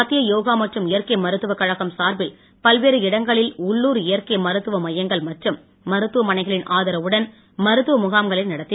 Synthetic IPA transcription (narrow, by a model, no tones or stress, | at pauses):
ɐt̪ːɪjɐjoːɣaːmɐʈrɯmɪjɐɾkɐɪmɐɾɯt̪ːɯʋɐkːɐɻɐɣɐmsaːɾbɪl | pɐlʋeːɾɯɪɽɐŋɡɐɭɪlʊɭːuːɾɪjɐɾkɐjmɐɾɯt̪ːɯʋɐmɐjːɐŋɡɐɭmɐʈrɯmː | ɐɾɯt̪ːɯʋɐmɐnɐɪɣɐɭɪnʔaːðɐɾɐʋɯɽɐn | mɐɾɯt̪ːɯʋɐmʊɣaːmɡɐɭɐɪnɐɽɐt̪ːɪ